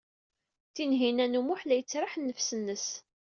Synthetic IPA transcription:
θinɦinænumʊħlæjət͡sːɾˤaħnːəfsənːəs

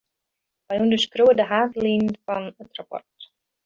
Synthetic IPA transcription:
ʋajundəskruwədəɦaːtliːnfɔnətrapɔ̰rt

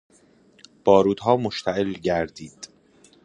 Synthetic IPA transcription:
b̥ɒːɾuːd̪̥ɦɒːmoʃt̪ʰæʔelɟæɾd̪iːd̪̥

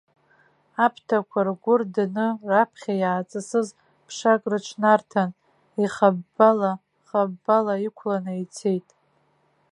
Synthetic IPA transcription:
apʰtʰakʷʰarɡʷʊrdnɨrapʰχʲajaːt͡sʼɨsɨz | pʰʂakʼrɨʈ͡ʂʰnartʰan | iχabala | χabːalaikʷʰlanɨit͡sʰe̞jtʼ

